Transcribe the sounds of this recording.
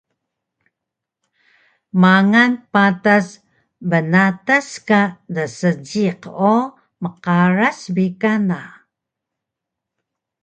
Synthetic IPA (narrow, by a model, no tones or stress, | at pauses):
maŋanpatas | bənataskadəsəd͡ʒiqo | məqaɾasbikana